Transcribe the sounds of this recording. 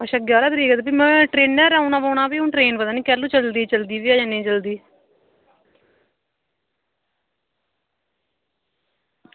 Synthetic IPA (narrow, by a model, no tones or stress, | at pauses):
əʃəɡjaːɾaːd̪ɾiːkəd̪bimɛ̃ːʈɾeːnːɛɾaːũnãːpaːnãːpiːʊ̃ːʈɾeːnpət̪aːnĩːkɛɾlũt͡ʃəld̪iːt͡ʃəld̪iːʋiːaːd͡ʒanĩːt͡ʃəld̪iː